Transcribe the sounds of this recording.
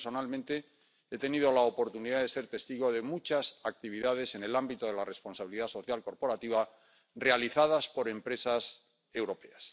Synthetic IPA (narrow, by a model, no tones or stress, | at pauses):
so̞nalmẽnt̪e̞ | e̞t̪e̞niðo̞laopo̞ɾt̪uniðaðe̞se̞ɾt̪e̞st̪iɣ̞o̞ðe̞mut͡ʃasak̚t̪iβ̞iðað̞e̞se̞ne̞lambit̪oðe̞lare̞spo̞nsaβiliðaso̞θjalko̞ɾpo̞ɾat̪iβa | re̞aliθað̞aspo̞ɾe̞mpɾe̞sas | e̞wɾo̞pe̞as